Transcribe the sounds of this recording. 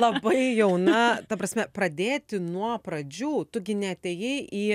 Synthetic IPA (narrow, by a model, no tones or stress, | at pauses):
lˠɐbɐɪjɛʊnɐt̪ɐpɾɐsʲmʲɛpɾɐd̪ʲeːt̪ʲɪnuɔpɾɐd͡ʒʲuːt̪ʊɡʲɪnʲɛɐt̪ʲeːjɛɪʔiː